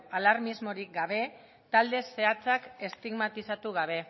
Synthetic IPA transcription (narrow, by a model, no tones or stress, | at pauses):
alaɾmizmo̞ɾik̚ɡaβe̞ | t̪ald̪e̞se̞at͡sake̞st̪iɣmat̪isat̪uɣaβ̞e̞